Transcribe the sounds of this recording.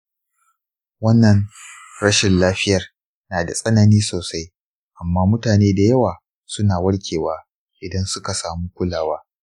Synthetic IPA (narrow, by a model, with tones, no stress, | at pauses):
wɐ˦nːɐ˨nɽɐ˦ʃɪ˨nlaː˦ɸɪ˦jɐ˨r | naː˨da˨sʼɐ˦nɐ˨niː˦soː˨sa˦j | ʔa˨mːaː˦mʊ˦taː˨neː˦da˨jɐ˦waː˨ | sʊ˦naː˨wɐ˦ɽkʲʰeː˨waː˦ | ʔɪ˨dɐ˦nsʊ˦ka˨saː˨muː˦kʷʊ˦laː˨waː˦